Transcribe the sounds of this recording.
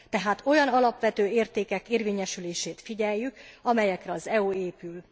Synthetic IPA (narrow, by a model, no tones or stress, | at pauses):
t̪ɛɦaːt̪o̞jɒnɒlɒpʋɛt̪øːeːrt̪eːkɛkeːrʋeːɲɛʃyleːʃeːt̪fiɟɛjːykɒmɛjɛkrɛɒzɛueːpyl